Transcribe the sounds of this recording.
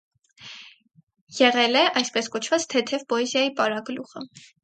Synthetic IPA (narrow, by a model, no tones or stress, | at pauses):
jɛʁɛlɛʔɑjspɛskɔt͡ʃʰvɑt͡st̪ʰɛt̪ʰɛvpɔɛzjɑjipɑɾɑɡluχə